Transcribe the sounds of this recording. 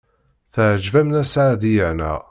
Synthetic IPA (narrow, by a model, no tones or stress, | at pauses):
θəʕəd͡ʒvæmnæsʕaðijənæ̰